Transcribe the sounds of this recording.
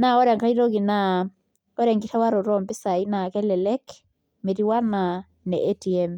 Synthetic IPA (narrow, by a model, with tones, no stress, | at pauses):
na˦ɔ˦ɾɛ˨ŋka˦i˦ɾo˦ɣi˨na˦ | ɔ˦ɾɛ˨ŋɡi˦ɾɛ˦wa˦ɾo˨ɾɔ˦mbi˦sa˨i˦na˨kɛ˦lɛ˨lɛ˦k | me˨ɾi˦wa˦na˨ | nɛ˨ʔe˦ti˨ɛm